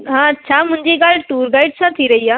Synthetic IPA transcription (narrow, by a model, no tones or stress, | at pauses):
ɦãətːɕʰamʊ̃ɲd͡ʒikaːlʈuːɾɡaːiɖsʰat̪ʰiɾəɦiaː